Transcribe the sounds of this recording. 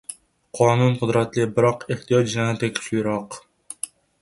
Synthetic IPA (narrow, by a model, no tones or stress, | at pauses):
qʰɒːnunqʰʊd̪ɾat̪lɪbɪɾɒqeht̪ijɒt̪d͡ʒlanɪt̪ːakʲʰɪ̥ʃʊjɾɒq